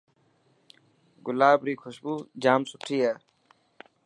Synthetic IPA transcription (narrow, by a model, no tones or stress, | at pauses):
ɡʊlaːbɾiːkʰoʃbuːd͡ʑaːmsʊpʈʰiːaː